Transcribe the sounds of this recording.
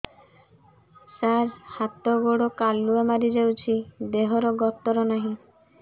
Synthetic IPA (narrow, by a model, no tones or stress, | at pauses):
saɾhat̪ɔɡoɽɔkalːuamaɾid͡ʒawt͡ʃʰid̪eɦɔɾɔɡɔt̪ɔɾɔnaɦĩ